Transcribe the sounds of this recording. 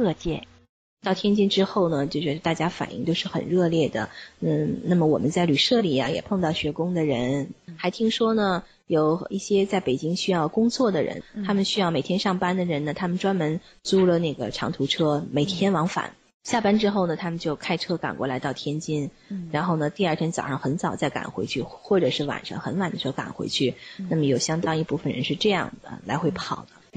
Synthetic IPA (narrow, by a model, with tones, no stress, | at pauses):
ɤ˥˧t͡ɕjɛ˥˩ | t̪ɑ˥˩ʊt̪ʰjɛ˥nt͡ɕi˥˧nʈ͡ʂɻ̩˥xo˥˩ʊnə˩t͡ɕjo˥˧ʊʂɻ̩˥˩˧t̪a˥˩t͡ɕja˥fa̰˨˩nʔi˥˩ŋt͡ɕ̪jo˥˧ʊʂɻ̩˥˩xə̰˨˩nɻɤ˥˧ljɛ˥˩d̪ə̰˩n̩˥˩na˥˩mə˩wɔ̰˨˩mə˦nt͡sa˥˩ɪly˨˩ʂɤ˥˩li˨˩ɐ̰˦jɛ̰˨˩pʰɤ˥˧ŋt̪ɑ˥˩ʊɕɥɛ˧˥kʊ˥ŋd̪ə˨ɻə˧˥nxa˧˥ɪt̪ʰi˥ŋʂwɔ˥nə˨˩ | jo˨˩ʊi˥˩ɕjɛ˥t͡sa˥˩ɪpe˨˩ɪt͡ɕi˥ŋɕy˥jɑ˥˩ʊkʊ˥ŋt͡swɔ˥˩d̪ə˩ɻə̰˧˥nt̪ʰa˥mə˨nɕy˥jɑ˥˩ʊme˨˩ɪt̪ʰjɛ˥nʂɑ˥˩ŋpa˥nd̪ə˨ɻə˧˥nnə˨t̪ʰa˥mə˨nʈ͡ʂwa˥nmə˧˥n | t͡su˥lə˨ne˥˩ɡə̰˩ʈ͡ʂʰɑ̰˧˥ŋt̪ʰu˧˥ʈ͡ʂʰɤ˥me˨˩ɪt̪ʰjɛ˥nwɑ˧˥ŋfa̰˨˩˦n | ɕja˥˧˩pa˥nʈ͡ʂɻ̩˥xo˥˩ʊnə˩t̪ʰa˥mə˨nt͡ɕjo˥˧ʊkʰa˥ɪʈ͡ʂʰɤ˥ka̰˨˩nkwɔ̰˥˧la˧˥ɪt̪ɑ˥˩ʊt̪ʰjɛ˥nt͡ɕi˥n | ɻa˧˥nxo˥˩ʊnə˩t̪i˥˧a˞˥˩t̪ʰjɛ˥nt͡sɑ˨˩ʊʂɑ˥˩ŋxə˧˥nt͡sɑ˨˩ʊt͡sa˥˩ɪka̰˨˩nxwḛ˧˥ɪt͡ɕʰy˥˩xwɔ˥˩ʈ͡ʂɤ˨˩ʂɻ̩˥˩wa̰˨˩nʂɑ̰˥ŋxə˧˥nwa˨˩nd̪əʂɻ̩˥˩ka̰˨˩nxwḛ˧˥ɪt͡ɕʰy˥˩na˥˩mə˩jo˨˩ʊɕjɑ˥ŋt̪ɑ˥ŋi˥˧pu˥˩fə˩nɻə̰˧˥nʂɻ̩˥˧ʈ͡ʂɤ˥˧jɑ̰˥˩ŋd̪ə̰˩la˧˥ɪxwe˥˩ɪpʰɑ˨˩ʊd̪̥ə˦